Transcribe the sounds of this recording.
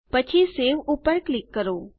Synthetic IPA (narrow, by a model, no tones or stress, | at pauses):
pət͡ʃʰiseːʋupəɾklɪkːəɾoː